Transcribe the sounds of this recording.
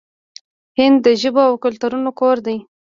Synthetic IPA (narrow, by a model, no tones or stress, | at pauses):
hɪnd̪ːəʒəboawkʊlt̪uɾunokoɾd̪aj